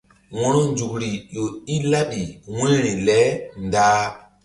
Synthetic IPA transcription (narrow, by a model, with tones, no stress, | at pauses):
wɔ̃˦no˦nd͡ʒu˨kɾi˨jo˨i˦la˦ɓi˨wẽ˦ɾĩ˨lɛ˦ndaː˦